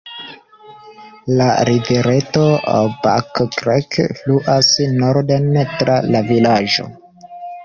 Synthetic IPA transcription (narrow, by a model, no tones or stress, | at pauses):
laɾiveɾe̞to̞ba̰kkɾekfluʔasnoɾdentɾʔalavilad͡ʒo̞̰